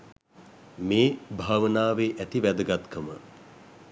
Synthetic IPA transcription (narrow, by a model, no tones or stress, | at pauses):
meːbʱaːʋənaːʋeːʔæt̪iʋæd̪əɡat̪kʰəmə̰